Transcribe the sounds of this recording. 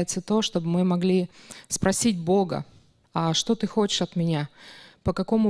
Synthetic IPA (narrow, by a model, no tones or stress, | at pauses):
ɪt̪sət̪o̞ʂt̪o̞bmɨmɐɡlʲispɾɐsʲidʲbo̞ɡə̰ | ɐʂt̪o̞t̪ɨxo̞t͡ɕɪ̥ʂɐt̪mʲɪnʲapəkɐko̞mʊ